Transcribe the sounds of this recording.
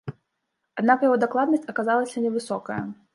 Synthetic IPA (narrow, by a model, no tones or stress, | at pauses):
ad̪nakjaɣɔd̪aklˠad̪nɐsʲt͡sʲɐkazalˠɐsʲɐnʲɛvɨsɔkɐjɐ̰